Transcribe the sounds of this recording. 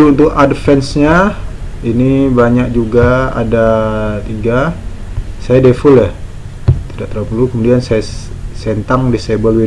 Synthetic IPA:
uunt̪ʊkadəfɛnsɲa | inibaɲak̚d͡ʒuɡaa̰dat̪iɡa | sajadefʊlja | t̪idaʔt̪əɾapulukəmudiansaja | sent̪aŋdisebəlwi

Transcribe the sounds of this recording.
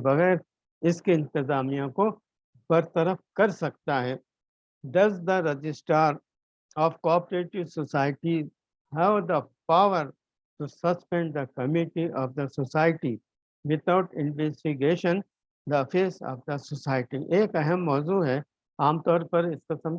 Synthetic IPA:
bɐɣɛːɾ | ɪskiɪ̃nt̪ɪzaːmijãko | bɐɾt̪ɐɾəfkɐɾsɐk̚t̪aɦɛː | ɖɐzd̪əɾed͡ʒɪsʈaːɾ | ɔːfkɔːpəɾeːʈɪʋsɔsaːɪʈi | hɛʋd̪əpaːʋəɾ | ʈusɐspɛ̃ɳɖd̪ɐkɐmɪʈiʔɔːfd̪ɐsosaːɪʈi | ʋɪt̪ʰaʊʈɪ̃nʋɛsʈɪɡeːʃə̃n | d̪ɐɐfeːsɔ̰ːfd̪ɐsɔsaːɪʈiʔeːkɐɦɛmːɔːzuɦɛ | aːmt̪ɔːɾpɐɾɪskɪsə̃m

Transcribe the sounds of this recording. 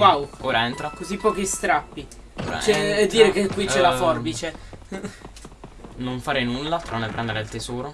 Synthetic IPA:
wawoːɾaɛnt̪ɾakozipːɔːkist̪ɾapːḭ | t͡ʃɛɛd̪ːiːɾekekːwit͡ʃɛlafɔrbit͡ʃe | noɱfaːɾenulːat̪ɾanepɾɛnd̪eɾeilt̪ezɔːɾo

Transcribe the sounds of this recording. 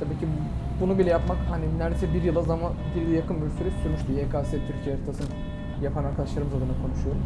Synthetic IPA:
t̪ʰabiːcʰi | bunubilʲɛjapmakhaninʲːæɾd̪esɛbiɾjɯlˠazamanbiɾd̪jakʰɯnylʲsyɾɛsyɾmyʃt̪yeːkʰaːsiɛt̪ʰyɾcʰijeɾɛt̪ʰasɯn | japʰanaɾkʰad̪aʃlˠaɾɯmɯzad̪ɯnakʰo̞nuʃujo̞ɾum

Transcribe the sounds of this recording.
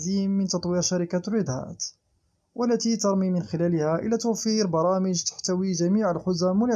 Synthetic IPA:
iːmːənt̪ɑt̪ˤwiːɾʃaɾɪkarɪd̪hæ̰ːt̪ | wʔəlːæt̪it̪ɑɾˤmimɪnxɪlælɪhæʔə̰læt̪uwfiːɾbɑɾˤɑːməʒt̪ḁħt̪æwiʒæmiːʕəlħʊzæmːʊla

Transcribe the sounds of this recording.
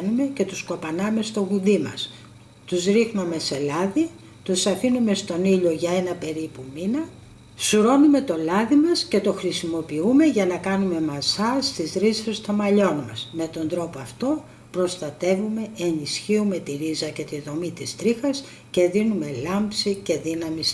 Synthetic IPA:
nume̞ce̞t̪usko̞pɐnɐme̞st̪o̞ɣuðimɐ̰s | t̪uzɾixnɐme̞se̞lɐði | t̪usɐfinume̞st̪o̞niʎo̞ʝɐe̞nɐpe̞ɾipuminɐ | suɾo̞nume̞t̪o̞lɐðimɐsce̞t̪o̞xɾisimo̞piume̞ʝɐnɐkɐnume̞mɐzɐst̪izɾizfest̪o̞mɐʎo̞nmɐsme̞t̪o̞nd̪ɾo̞poɐft̪o̞ | pɾo̞st̪ɐt̪e̞vume̞enisçiume̞t̪iɾizɐce̞t̪iðo̞mit̪ist̪ɾixɐs | ce̞ðinume̞lɐmpsice̞ðinɐmis

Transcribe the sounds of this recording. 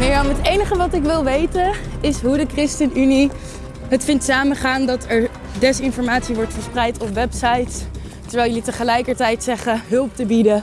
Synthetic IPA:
mnɪːɹɔmɦətejnəχəʋɑtɪkʋɪlˠʋejtənɪsɦudəkrɪstənyni | ɦətfɪntsaːməχaːndɑtɛɹ | dɛsɪnfɔɹmaːtsiʋɔɹtχəɹsprɛjtɔpʋɛpsɑjts | təɹʋɛːlˠjəlitəχəlɛjkəɹtɛjtsɛχəɦɵlˠp̚təbidə

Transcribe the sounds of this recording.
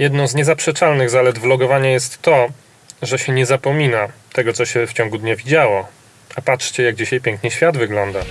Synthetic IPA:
jɛd̪nɔ̃w̃zɲɛzapʂɛt͡ʂalnɘɣzalɛd̪vlɔɡɔvaɲajɛst̪ːɔ | ʐɛɕɛɲɛzapɔmʲinat̪ɛɡɔt̪sɔɕɛft͡ɕɔ̃ŋɡud̪ɲavʲid͡ʑawɔ | apatʂt͡ɕɛjaɡ̚d͡ʑiɕajpʲɛŋkɲɘɕfʲjad̪vɘɡlɔnd̪a

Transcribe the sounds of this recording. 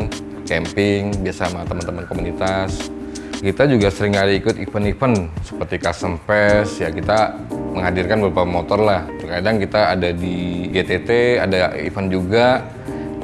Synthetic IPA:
n | kɛmpɪŋbiasamat̪əmant̪əmənkomunit̪as | kit̪ad͡ʒuɡasəɾɪŋkaliːkʊt̪ifənifənsə̥pərt̪ikasəmpɛsjakit̪a | məŋɦadirkanbɾapamot̪ɔrlaht̪ərkadaŋkit̪aːdadiɡet̪et̪ea̰daḭfənd͡ʒuɡa

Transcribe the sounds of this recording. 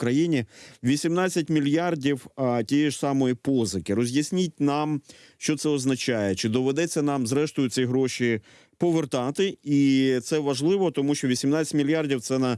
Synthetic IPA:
kɾɐjinʲiʋʲisʲimnat͡sʲːɐtʲmʲilʲjardʲiwtʲijɛʐsɑmɔjipɔzɪkɪɾɔzʲjɐsʲnʲit̚ʲnɑmʃt͡ʃɔt̪sɛɔznɐt͡ʃajɛt͡ʃɪd̪ɔʋɛd̪ɛt͡sʲːɐnɑmzɾɛʃt̪ɔjʊt͡sʲijɦɾɔʃʲi | pɔʋert̪ɑt̪ɪit̪sɛʋɐʒlˠɪʋɔt̪ɔmuʃʲt͡ʃɔʋʲisʲimnat͡sʲɐ̥tʲmʲilʲjardʲiwt̪sɛnɐ

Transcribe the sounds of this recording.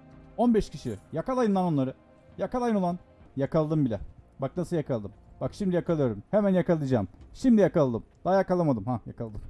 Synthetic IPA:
o̞nbɛʃcʰiʃijakalˠajɯnlˠano̞nˠaɾɯ | jakalˠajɯnolˠan | jakalˠd̪ɯmbilʲɛbak̚nasɯlˠjakʰalˠd̪ɯmbakʃimd̪ijakalˠɯjo̞ɾumhemænjakalˠɯjd͡ʒaːmʃimd̪ijakalˠd̪ɯmd̪̥aːjakalˠamad̪ɯmhajakalˠd̪ɯm

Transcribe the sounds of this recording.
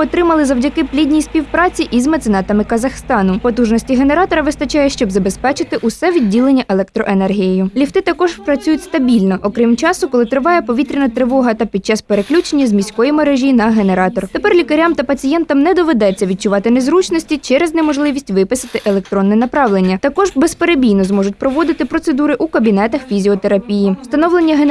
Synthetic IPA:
ɔt̪ɾɪmɐlˠɪzɐwdʲɐkɪplʲidʲnʲijspʲiwpɾɑt͡sʲiʔizmɐt̪sɪnɑt̪ɐmɪkɐzɐxst̪ɑnʊpɔt̪uʒnɔsʲtʲiɦe̞neɾɑt̪ɔɾɐʋɪst̪ɐt͡ʃɑjɛʃt͡ʃɔbzɐbespɛt͡ʃɪt̪ɪʔʊsɛʋʲidʲːilˠenʲːɐʔelˠɛkt̪ɾɔʔenɛrɦʲijejʊlʲiwt̪ɪt̪ɐkɔʒpɾɐt͡sʲujʊtʲst̪ɐbʲilʲnɔʔɔkɾɪmt͡ʃɑsʊkɔlˠɪt̪ɾɪʋɑjɛpɔʋʲit̪ɾʲinɐt̪ɾɪʋɔɦɐt̪ɐpʲid̪̚t͡ʃɑspeɾeklʲut͡ʃenʲːɐzmʲisʲkɔjimɐɾɛʒʲinɐɦe̞neɾɑt̪ɔrt̪e̞pɛrlʲikɐɾʲamt̪ɐpɐt͡sʲijɛnt̪ɐmnɛd̪ɔʋed̪ɛt͡sʲːɐʋʲid̪̚t͡ʃʊʋɑt̪ɪnezɾut͡ʃnɔsʲtʲit͡ʃɛɾɛznɛmɔʒlˠɪʋʲisʲtʲʋɪpɪsɪt̪ɪʔelˠek̚t̪ɾɔnːɛnɐpɾɑʋlˠenʲːɐt̪ɐkɔʒbɛspeɾebʲijnɔzmɔʒʊtʲpɾɔʋɔd̪ɪt̪ɪpɾɔt̪se̞d̪uɾɪʔukɐbʲinɛt̪ɐxfʲizʲiɔt̪eɾɐpʲijiwst̪ɐnɔwlˠenʲːɐɦe

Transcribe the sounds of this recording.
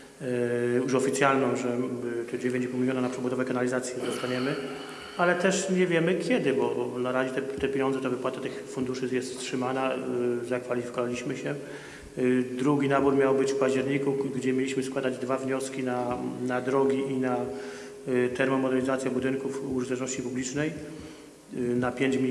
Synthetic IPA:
juʂɔfʲit̪sʲjalnɔ̃w̃ʐɛt̪ɔd͡ʑevʲẽɲt͡ɕipuwmʲilʲjɔnanapʂɛbud̪ɔvɛjkanalʲizat̪sʲjɛd̪ɔst̪aɲɛmɘ | alɛt̪ɛʂɲɛvʲjɛmɘkʲjɛd̪ɘbɔnaɾaʑɛt̪ɛt̪ɛpʲjeɲɔnzɛt̪ɔvɘpwat̪at̪ɘxfund̪uʂɘjɛst̪stʂɘmanazakfalʲifʲi̥kɔvalʲiɕmɘɕɛ | d̪ɾuɡʲinabuɾmʲjawbɘt͡ɕfpad͡ʑd͡ʑɛɾɲikuɡd͡ʑɛmʲjelʲiɕmɘskwad̪ad͡ʑd̪vavɲɔskʲinanad̪ɾɔɡʲiʔina | t̪ɛɾmɔmɔd̪ɛlʲizat̪sʲjabud̪ɘnkufuʐɨt̪ɛt͡ʃnɔɕt͡ɕipublʲit͡ʂnɛj | napʲjeɲt͡ɕʲi

